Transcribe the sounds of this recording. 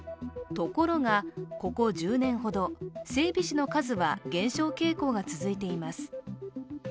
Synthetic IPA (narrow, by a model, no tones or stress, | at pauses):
t̪o̞ko̞ɾo̞ŋako̞ko̞ʑɨːnẽ̞ɰ̃ɦo̞d̪o̞se̞ːbʲiɕino̞kazɨβaɡẽ̞ɰ̃ɕo̞ːke̞ːko̞ːɡat͡sɨzɨit̪e̞imasɨ̥